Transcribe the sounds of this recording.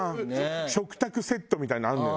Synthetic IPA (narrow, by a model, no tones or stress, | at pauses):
ɕo̞kɯ̟̥t̪akɯ̟se̞t̪ːo̞mʲit̪ainãa